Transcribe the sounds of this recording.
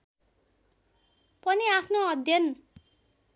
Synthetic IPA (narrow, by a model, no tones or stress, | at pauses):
pʌniapʰnoʌd̪ʱjʌn